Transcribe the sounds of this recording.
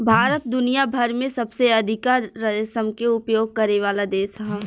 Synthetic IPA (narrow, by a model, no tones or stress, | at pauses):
bʱaːɾət̪̚d̪ʊnijabʱɐɾmẽsɐbseɐd̪ʱɪkaːɾːɐsəmkeʊpjoːɡ̚kɐɾeʋaːlad̪eːʃɦɛː